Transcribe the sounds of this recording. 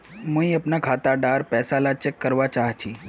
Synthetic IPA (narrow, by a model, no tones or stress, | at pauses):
mũiəpnakʰaːt̪aɖaːɾpɛːsalat͡ʃekːəɾʋat͡ʃaːɦt͡ʃʰĩ